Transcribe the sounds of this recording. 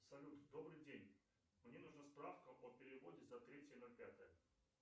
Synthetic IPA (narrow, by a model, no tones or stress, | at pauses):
psɐlʲut̪d̪o̞bɾɨjdʲenʲ | mnʲe̞nuʐnaspɾafkəʔopʲɪɾʲɪvo̞dʲɪzɐt̪ɾʲetʲjənolʲpʲat̪əjə